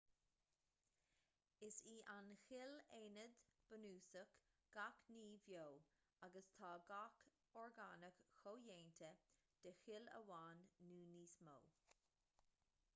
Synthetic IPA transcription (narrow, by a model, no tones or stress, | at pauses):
ɪsiːʔanxɪleːnəd̪b̥ənuːsəkɡ̥akniːvjoː | aɡəst̪ʰaːɡak | ɔɹɡaːnəkxoːjeːnt̪ʰəd̪̥əxɪlə̰waːnːuːniːsmo̰ː